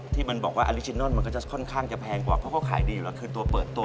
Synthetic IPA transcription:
t̪ʰiː˥˩ma˧nbɔː˨˩k̚waː˥˩ʔa˧li˦˥t͡ɕʰi˧nːɔ˥˩nma˧nk̬ɔ˥˩t͡ɕa˨˩kʰɔ˥˩nkʰaː˥˩ŋt͡ɕa˨˩pʰɛː˧ŋkwaː˨˩pʰɔ˦˥˩kɔ˥˩kʰa̰ː˩˦jdiː˧ju˨lɛː˦˥˩kʰɯː˧t̪u˧ɐpɤː˨˩t̪ːu˧

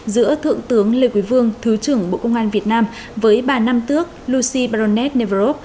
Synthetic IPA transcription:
zɨ̰˧˥ət̪ʰɨ̰˧˨əŋt̪ɨ˨˦əŋle˨˩kwi˨˦vɨ˧əŋt̪ʰɨ˨˦t͡ɕɨ˧˩əŋɓo̰˧˨kə˧wŋ͡mʔaː˧nvi˨˩ət̚naː˧m | vəː˨˦jɓaː˨˩na˧mt̪ɨ˦˥ək̚lu˧si˧ɓaː˧ɾo˧nːɛ˦˥t̚ne˧˩və˧˩o˦˥p̚

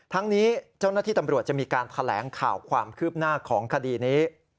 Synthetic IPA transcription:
t̪ʰa˦˥ŋniː˦˥t͡ɕa˥˩wnaː˥˩t̪ʰiː˥˩t̪a˧mɾu˨˩ət͡ɕa˨˩miː˧kaː˧nt̪ʰa˧lɛː˩˦ŋkʰa̰ː˨˩wkʰwaː˧mkʰɯː˥˩p̚naː˥˩kʰɔː˩˦ŋkʰa˧diː˧niː˦˥

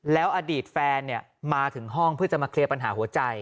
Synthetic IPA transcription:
lɛː˦˥wʔaː˧diː˨˩t̪̚fɛː˧nːi˥˩ɐ | maː˧t̪ʰɯ˩˦ŋɦɔ˥˩ŋpʰɯ˥˩t͡ɕa˨˩ʔmaː˧kʰli˧əpa˧nɦaː˩˦ɦu˩˦ɐt͡ɕa˧j

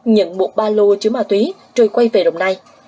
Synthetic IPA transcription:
ɲə̰˧˥nɓo̰˧˨ɓaː˧lo˧t͡ɕɨ˨˦maː˧˩t̪wi˨˦ | t͡ɕo˧˩jkwa˧jve˨˩ɗə̰˨˧˨wŋ͡mnaː˧j

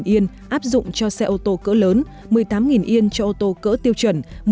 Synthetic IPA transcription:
nʔi˧ən | ʔaː˦˥p̚zʊ̰˧˨ŋ͡mt͡ɕɔ˧sɛ˧ʔo˧t̪o˧kə̰˧˥ləː˨˦n | mɨ˨˩əjt̪aː˨˦mŋi˨˩nʔi˧ənt͡ɕɔ˧ʔo˧t̪o˧kə̰ː˧˥t̪i˧əwt͡ɕə˧˩nm

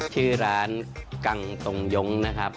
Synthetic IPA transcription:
t͡ɕʰɯː˥˩ɾaː˩˦nka˨˩ŋt̪o˨˩ŋjo˦˥ŋna˦˥kʰɾa˦˥p̚

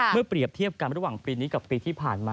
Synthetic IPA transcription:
mɯ˥˩ɐpɾi˨˩əp̚t̪ʰi˥˩əp̚ka˧nɾa˦˥waː˨˩ŋpiː˧niː˦˥ka˨˩pːiː˧t̪ʰiː˥˩pʰaː˨˩nmaː˧

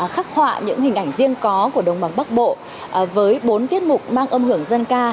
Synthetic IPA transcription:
xaː˦˥k̚hwa̰ː˧˨ɲɨ̰˧˥ŋhï̟˨˩ʔa˧˩jŋ̟zi˧əŋkɔ˨˦ku˧˩əɗə˨˩wŋ͡mɓa˨˦ŋɓa˦˥k̚ɓo̰˧˨ | vəː˨˦jɓo˨˦nt̪i˦˥ət̚mʊ˨˩k͡p̚maː˧ŋʔə˧mhɨ˧˩əŋzə˧nkaː˧

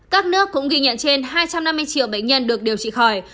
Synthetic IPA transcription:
kaː˦˥k̚nɨ˦˥əkːʊ̰˧˥ŋ͡mɣi˧ɲə̰˧˨nt͡ɕe˧nɦaː˧jt͡ɕa˧mna˧mːɨ˧əjt͡ɕḭ˧˩əwɓə̰˧˨ŋ̟ɲə˧nɗɨ˨˩ək̚ɗe˨˩wt͡ɕḭ˧˨xɔ˨˩j

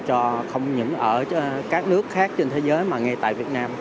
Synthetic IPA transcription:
t͡ɕɔ˧xə˧wŋ͡mɲɨ̰˧˥ŋʔəː˧˩kaː˦˥k̚nɨ˦˥ək̚xaː˦˥k̚t͡ɕe˧nt̪ʰe˨˦zəː˨˦jmaː˨˩ŋe˧t̪a̰ː˧˨jvi˨˩ət̚naː˧m

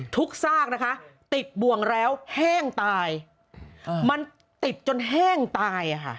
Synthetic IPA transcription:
t̪ʰu˦˥k̚saː˥˩k̚na˦˥kʰa˦˥ʔt̪i˨˩t̪̚bu˨˩əŋɾɛː˦˥whɛː˥˩ŋt̪aː˧j | ma˧n | t̪i˨˩t̪̚t͡ɕo˧nɦɛː˥˩ŋt̪aː˧jʔa˨˩kʰa̰˥˩ʔ

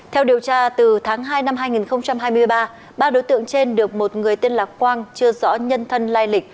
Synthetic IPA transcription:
t̪ʰɛ˧wɗi˨˩əwt͡ɕaː˧t̪ɨ˨˩t̪ʰaː˨˦ŋɦaː˧jna˧mɦaː˧jŋi˨˩nxə˧wŋ͡mt͡ɕa˧mɦaː˧jmɨ˧əjɓaː˧ | ɓaː˧ɗo˨˦jt̪ɨ̰˧˨əŋt͡ɕe˧nɗɨ˨˩ək̚mo˨˩t̚ŋɨ˨˩əjt̪i˧ənlaː˨˩p̚kwaː˧ŋt͡ɕɨ˧əzɔ̰˧˥ɲə˧nt̪ʰə˧nlaː˧jlï˨˩k̚

